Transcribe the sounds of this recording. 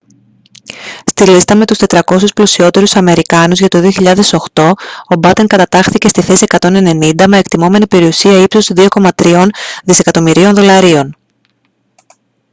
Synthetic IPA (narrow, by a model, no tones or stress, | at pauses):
st̪ilist̪ɐme̞t̪ust̪e̞t̪ɾɐko̞susplosio̞t̪e̞ɾusɐme̞ɾikɐnuzʝɐt̪o̞ðioçiʎɐðe̞so̞xt̪o̞obɐt̪e̞ŋkɐt̪ɐt̪ɐxθice̞st̪iθe̞sie̞kɐt̪o̞ne̞ne̞nind̪ɐme̞ekt̪imo̞me̞nipe̞ɾiusiɐipsosiðio̞ko̞mɐt̪ɾio̞nðise̞kɐt̪o̞miɾio̞nðo̞lɐɾio̞n